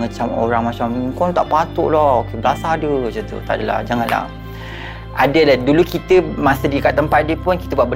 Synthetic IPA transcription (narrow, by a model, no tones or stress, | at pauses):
at͡ʃamo̰ɾaŋmat͡ʃamkɔnt̪aʔpat̪ʊ̰ʔlɔokeblasadəd͡ʒət̪ṵt̪aʔdəla̰hd͡ʒaŋãnla̰ | ʔadəladulukit̪əmasədikat̪ːəmpat̪̚diəpʊnkit̪əbaʔbə